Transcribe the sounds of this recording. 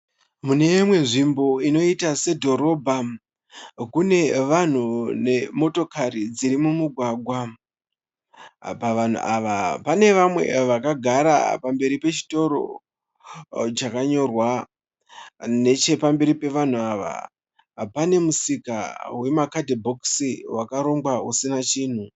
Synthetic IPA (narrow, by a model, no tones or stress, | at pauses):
mune̞mwe̞ʐimbo̞ino̞itase̞dʱo̞ɾo̞bʱa | kune̞ʋan̤une̞mo̞to̞kaɾid͡ziɾimumuɡʱwaɡʱwa | paʋan̤ṵʔaʋapane̞ʋamwe̞̰ʋakaɡʱaɾa̰pambe̞ɾipe̞t͡ʃi̥to̞ɾo̞̰ | t͡ʃakaɲo̞rwa | ne̞t͡ʃe̞pambe̞ɾipe̞ʋan̤uaʋa̰ | pane̞musika̰we̞makadʱibʱo̞ksiwakaɾo̞mɡausinat͡ʃiːn̤u